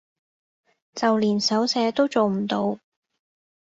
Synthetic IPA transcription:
t͡sɐ˨wliː˨˩nsɐ˨˥wsɛː˨˥t̪o˥wt͡so˨wm̩˨˩t̪o˨˧w

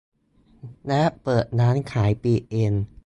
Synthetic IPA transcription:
lɛ˦˥ʔpɤː˨˩t̪̚naː˦˥nkʰaː˩˦jpiː˧ʔe˧n

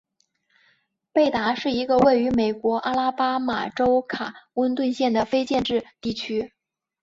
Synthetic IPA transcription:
pe˥˩ɪt̪a˧˥ʂɻ̩˥˩i˧˥ɡə˧we˥˩ɪy˧˥me˨˩ɪkwɔ˧˥ʔa˥la˥pa˥ma̰˨˩ʈ͡ʂo˥ʊkʰa˨˩wə˥nt̪wə˥˧nɕjɛ˥˩nd̪ə˩fe˥ɪt͡ɕjɛ˥˧nʈ͡ʂɻ̩˥˧t̪i˥˩t͡ɕʰy˥

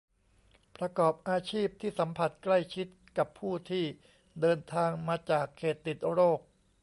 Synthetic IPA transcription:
pɾa˧kɔː˨˩p̚ʔaː˧t͡ɕʰiː˥˩p̚t̪ʰiː˥˩sa˩˦mpʰa˨˩t̪̚kla˥˩jt͡ɕʰi˦˥t̪̚ka˨˩pʰːuː˥˩t̪ʰiː˥˩ | dɤː˧nt̪ʰaː˧ŋmaː˧t͡ɕaː˨˩kʰːeː˨˩t̪ːi˨˩t̪̚ɾoː˥˩k̚

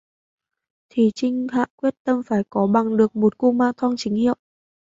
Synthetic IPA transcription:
t̪ʰi˧˨˩t͡ɕï˧ŋ̟ha̰ː˧˨kwi˦˥ət̚t̪ə˧mfaː˧˩jkɔ˨˦ɓa˨˩ŋɗɨ˨˩ək̚mo˨˩t̚ku˧maː˧ŋt̪ʰwa˧ŋt͡ɕï˨˦ŋ̟hḭ˧˨ə˨w

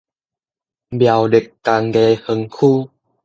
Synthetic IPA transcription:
bja˨˩wde˨˩kːa˧ŋɡe˧hə˧ŋkʰuː˦˧˨

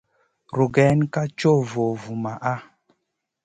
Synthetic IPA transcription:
ɾu˨ɡɛ˨˦n˦ka˦t͡ʃo˦˨vo˨vu˨ma˨ʔa˦

